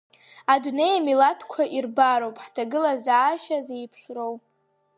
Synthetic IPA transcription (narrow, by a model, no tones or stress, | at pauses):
adune̞jamilatʰkʷʰaʔirbaɾowpʼħtʰaɡɨlazaːʃazejpʰʂrow